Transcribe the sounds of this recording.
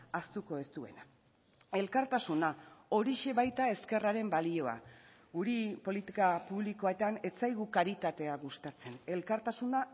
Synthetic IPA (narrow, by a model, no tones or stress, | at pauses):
ast̪uko̞e̞st̪ue̞̰na | e̞lkaɾt̪asunao̞ɾiʃe̞βajt̪ae̞ske̞raɾe̞mbalio̞a̰ | ɡuɾipo̞lit̪ikapuβliko̞et̪ane̞t͡sajɣukaɾit̪at̪e̞aɣust̪at͡se̞ne̞lkaɾt̪asuna